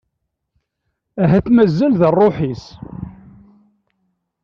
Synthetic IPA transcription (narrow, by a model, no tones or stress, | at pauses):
æɦæθmæzːælðərˤːoħis